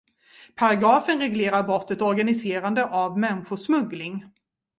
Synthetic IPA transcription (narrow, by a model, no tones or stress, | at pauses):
pʰaɾaɡɾɑːfənɾɛɡleːɾaɾbɾɔt̪ʰːət̪ɔɾɡanɪseːɾand̪əʔavmɛnːɧʊʂmɵɡlɪŋ